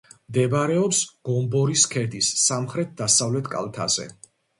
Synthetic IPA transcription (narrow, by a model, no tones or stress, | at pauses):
md̪ɛbɾɛɔpsɡ̥ɔmbɔɾiskʰɛd̪isːamχɾɛt̪̚d̪asavlɛt̪ʰkʼa̰lˠt̪ʰa̰zɛ̰